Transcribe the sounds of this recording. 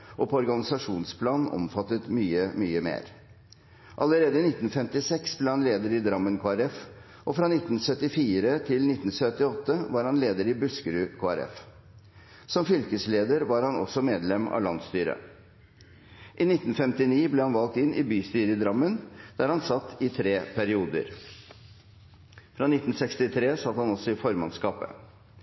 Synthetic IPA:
ʔɔpʰɔɔɾɡɑnɪsɑʂuːnspʰlɑːnɔ̰mfɑt̪ːət̪myːəmyːəmḛːɾ | ʔɑləɾeːd̪əɪnɪt̪ːn̩fɛmt̪ɪsɛksbleːhɑnleːd̪əɾɪd̪ɾɑmːənkʰoːæɾɛf | ʔɔfɾɑːnɪt̪ːn̩sœt̪ːɪfiːɾət̪ʰɪlnɪt̪ːnsœt̪ːɪɔt̪ːəʋɑɾhɑnleːd̪əɾɪbʉskəɾʉːkʰoːæɾɛ̰f | sɔmfʏlkəsleːd̪əɾʋɑɾhɑnɔ̰sɔmeːd̪lɛmɑ̰lɑ̰nst̪yːɾə̰ | ʔɪnɪt̪ːn̩fɛmt̪ɪniːblɛːhɑnʋɑlk̚t̪ɪnɪbyːst̪yːɾəd̪ɾɑmːənd̪̥æːɾhɑnsɑt̪ʰːɪt̪ʰɾeːpʰæɾɪuːd̪ə̰ɾ | fɾɑːnɪt̪ːn̩sɛkst̪ɪt̪ʰɾeːsɑt̪ːhɑnɔsɔɪfɔɾmɑnskɑːpə̰

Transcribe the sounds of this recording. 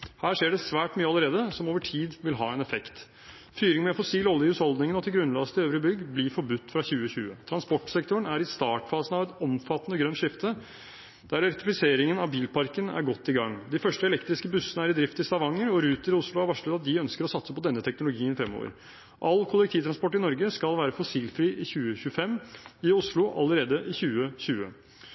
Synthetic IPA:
hæːʂeːɖɛsʋæːʈmyːəɑləɾeːd̪əsɔmoːʋəʈʰiːd̪ʋɪlɦɑːɛnɛfɛkt̪ | fyːɾɪŋmɛfɔsiːlɔlːɪjʉshɔld̪nɪŋəɔt̪ʰːɪlɡɾʉnlɑst̪ɪøːʋɾɪbʏɡblifɔɾbʉt̪ːfɾɑçʉːəçʉːə̰t̪ʰɾɑnspɔʈːsɛk̚t̪ʊəɳæɾɪst̪ɑːʈfɑːsənɑʋɛt̪ɔmfɑt̪ːənəɡɾœnt̪ʂɪft̪ʰə | d̪̥æɾɛɾt̪ɪfɪseːɾɪŋənɑʋbiːlpʰɑɾkənæ̰ɾɡɔt̪ːɪɡɑŋːd̪ɪfœʂʈəɛlɛkt̪ɾɪskəbʉsːənəæɾɪd̪ɾɪft̪əɪst̪ɑʋɑŋːəɾɔɾʉːt̪əɾɪʊslʊæɾʋɑʂɭɛd̪ɑt̪̚d̪ɪœnskəɾɔsɑt̪səpɔd̪ɛnːət̪ʰɛknʊlʊɡiːənfɾɛmːo̰ːʋə̰ɾ | ʔɑlːkʰʊlɛk̚t̪ʰiːʋt̪ʰɾɑnspɔʈːɪnɔɾɡəskɑlʋæːɾəfɔsiːlfɾiːʔɪçʉːəçʉəfɛmːɪʊslʊʔɑ̰ləɾeːd̪əʔɪçʉːəçʉːə

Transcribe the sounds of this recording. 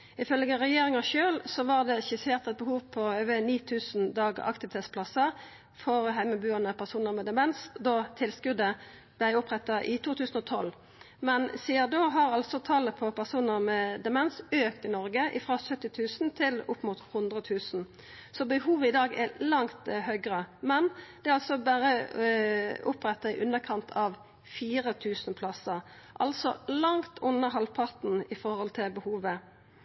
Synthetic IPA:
ɪfœlɡəʁɛjeːʁɪŋɑʃøːlsɔʋɑʁd̪ɛʃɪseːʁt̪ɛt̪̚bəhuːʋpʰɔøːʋəniːt̪ʰʉːsn̩d̪ɑːɡəɑ̰kt̪ɪʋɪt̪ʰeːt̪spʰlɑsəʁ | fɔʁɦæɪməbʉːənəpʰæʁsuːnəʁmɛd̪ɛmɛnsd̪ɔt̪ʰɪlskʉd̪ə | b̥læɪʊpʁɛt̪ːɑʔɪt̪ʰuːt̪ʰʉːsn̩ɔt̪ʰɔl | mɛnsiːəd̪oːɦɑʁɑlsɔt̪ʰɑːlːəpʰɔpʰæʁsuːnəʁmed̪ɛmɛnsøːkt̪ɪnɔɾɡəʔɪ̰fʁɑːsœt̪ːɪt̪ʰʉːsnt̪ʰɪlʊpːmuːt̪hʊnd̪ʁət̪ʰʉːsn̩ | sɔbəhuːʋəɪd̪ɑːɡɛlɑŋt̪hœʏɡʁəmɛnd̪̥ɛɑlsɔbæːʁə | ʔʊpʁɛt̪ːɑɪʔʉnəkʰɑnt̪ʰɑʋ | fiːʁət̪ʰʉːsnpʰlɑsəʁ | ʔɑ̰lsɔ̰lɑŋt̪ʰʊnːəɦɑlpʰɑʁt̪nɪfɔhɔlt̪ʰɪlbəhuːʋə

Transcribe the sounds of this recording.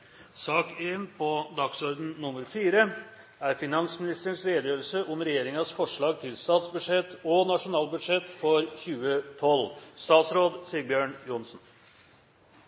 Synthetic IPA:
sɑːkeːnpʰɔd̪ɑksɔɾd̪n̩ːʊməɾfiːɾə | æɾfɪnɑnsmɪnɪst̪əɳʂɾeːd̪əjøːɾəlsəʔʊmɾɛjeːɾɪŋɑsfɔʂɭɑːɡ̚t̪ʰɪlst̪ɑːt̪sbʉd̪ʂɛt̪ːɔnɑʂʊnɑːlbʉd̪ʂɛt̪fɔɾçʉːət̪ʰɔlst̪ɑːt̪sɾoːd̪siːəɾbjøːɳjʊnsn

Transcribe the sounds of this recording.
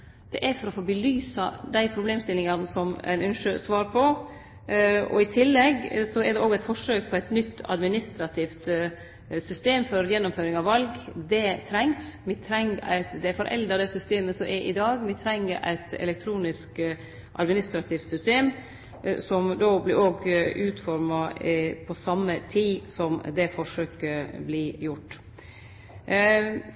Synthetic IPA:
d̪̥ɛʔæɾfɔɾɔfoːbəlyːsɑd̪æɪpʰɾʊbleːmst̪ɪlɪŋɑnəsɔmæ̰ɪnʉnʃʂøsʋɑːɾpʰɔ | ɔ̰ɪt̪ʰɪlːɛɡsɔɛɾd̪ɛʔoːɡæɪt̪fɔʂøːk̚pʰɔæɪt̪nʏt̪ːɑ̰d̪mɪnɪst̪ɾɑt̪ʰɪft̪ | sʏst̪eːmfɔɾjɛnːʊmføːɾɪŋɑʋʋɑlɡd̪ɛt̪ʰɾɛŋsmɪt̪ʰɾɛŋːæ̰ɪt̪d̪ɛæɾfɔɾʔɛ̰ld̪ɑd̪ɛsʏst̪eːməsɔmʔɛʔɪ̰d̪ɑːɡmɪt̪ʰɾɛŋːəɾʔæ̰ɪt̪ɛ̰lɛk̚t̪ʰɾuːnɪsk | ʔɑ̰d̪mɪnɪst̪ɾɑt̪ʰɪːft̪sʏst̪eːm | sɔmd̪oːblɪɾoːɡʉːt̪fɔɾmɑpʰɔsɑmːət̪ʰiːsɔmd̪ɛfɔʂøːkəblɪjʊʈː

